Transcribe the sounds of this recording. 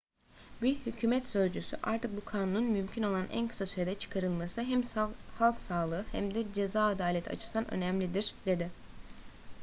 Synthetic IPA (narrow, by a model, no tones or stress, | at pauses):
bihycʰyːmɛt̪sø̞zd͡ʒysy̰ʔa̰ɾt̪ʰɯk̚bukʰaːnununmymcʰino̞lˠanʔæ̰nkʰɯ̥sasyɾed̪ɛt͡ʃʰɯ̥kʰaɾɯlˠmasɯɦɛmhalˠksaːlˠɯːhæmd̪ɛd͡ʒe̞zaːd̪aːlʲɛt̪ʰa̰t͡ʃʰɯ̥sd̪anʔø̰nɛmlʲid̪iɾ̥d̪e̞d̪ɪ